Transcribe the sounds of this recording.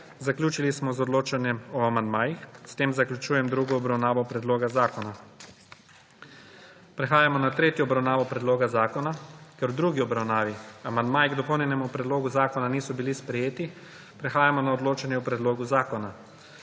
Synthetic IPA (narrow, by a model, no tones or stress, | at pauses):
zaklʲuːt͡ʃilismɔzɔd̪loːt͡ʃanjɛmɔamand̪maːjixst̪eːmzaklʲjut͡ʃuːjɛmd̪ɾuːɡɔːbɾawnaːʋɔpɾɛd̪loːɡazaːkɔna | pɾɛxaːjamɔnat̪ɾeːt̪jɔɔbɾawnaːʋɔpɾɛd̪loːɡazaːkɔnakɛɾwd̪ɾuːɡiɔbɾawnaːʋiamand̪maːjiɡd̪ɔpɔwnjɛnɛmupɾɛd̪loːɡuzaːkɔnaniːsɔbilispɾɛjeːt̪i | pɾɛxaːjamɔnaɔd̪loːt͡ʃanjɛupɾɛd̪loːɡuzaːkɔna